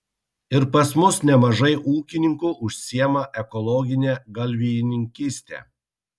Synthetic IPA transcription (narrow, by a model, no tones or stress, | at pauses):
ɪɾpɐsmʊsnʲɛmɐʒɐɪʔuːkʲɪnʲɪŋkuːʔʊʃʲsʲiɛmɐʔɛkɔlˠɔːɡʲɪnʲeːɡɐlʲʋʲijɪnʲɪŋʲkʲisʲt̪ʲḛː